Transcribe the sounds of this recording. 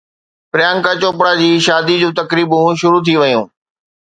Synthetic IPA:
pɾɪjãːŋkat͡ɕoːpɽad͡ʑiːʃaːd̪id͡ʑũːt̪ɐkɾiːbũʃʊɾut̪ʰiʋɐjũː

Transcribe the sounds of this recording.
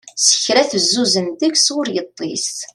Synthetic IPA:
sə̥çɾæθəzːuzənt̪əksʊɾjət̪ˤːḭs

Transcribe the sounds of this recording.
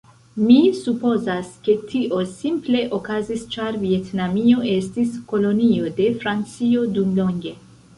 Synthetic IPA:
misupo̞zaske̞tʰiʔo̞simple̞ʔo̞kazist͡ʃaɾvie̞tnamio̞ʔe̞stisko̞lo̞nio̞de̞fɾant͡sio̞dumlo̞ŋɡe̞

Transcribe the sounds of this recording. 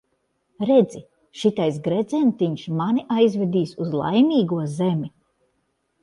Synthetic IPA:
ɾed̪zi | ʃit̪ajs̬ɡɾed̪zɛnt̪iɲʃmaniʔajzvʲɛd̪iːsuzlˠa̰jmʲiːɡuɔzemʲi

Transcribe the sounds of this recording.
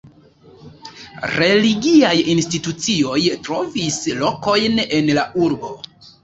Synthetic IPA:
ɾe̞liɡiajinstitut͡sio̞jtɾo̞vislo̞ko̞jne̞nlauɾbo̞

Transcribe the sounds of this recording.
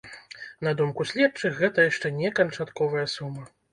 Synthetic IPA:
nɐd̪umkusʲlʲɛp̚t͡ʂɨxɣɛt̪ɐjaʂt͡ʂɛnʲɛkɐnt͡ʂat̪kɔvɐjɐsumɐ

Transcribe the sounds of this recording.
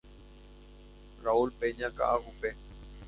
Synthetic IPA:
raulpeɲãka̰ʔahupe

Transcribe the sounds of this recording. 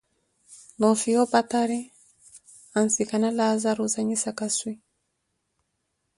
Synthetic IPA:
nɔfijɔpataɾi | ansikanalazaɾuzaɲisakaswi

